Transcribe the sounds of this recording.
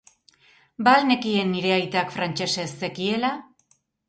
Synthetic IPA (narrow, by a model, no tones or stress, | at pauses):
balne̞kie̞nːiɾe̞ajt̪akfɾant͡ʃe̞se̞se̞kie̞la